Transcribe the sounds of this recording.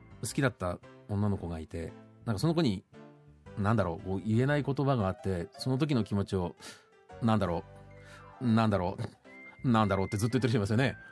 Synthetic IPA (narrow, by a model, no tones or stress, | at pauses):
sɨ̥kʲid̪at̪ːaõ̞nːano̞ko̞ɡait̪e̞̰nãŋkaso̞noko̞ɲ̟i | nãnd̪aɾo̞̰ːko̞ːie̞naiko̞t̪o̞baɡaːt̪ːe̞so̞no̞t̪o̞k̬ʲino̞kʲimo̞t͡ɕio̞ | nãnd̪aɾo̞ː | nãnd̪aɾo̞ː | nãnd̪aɾo̞ːt̪ːe̞zɨt̪ojt̪ːeɾiɕieimasɨjo̞ne̞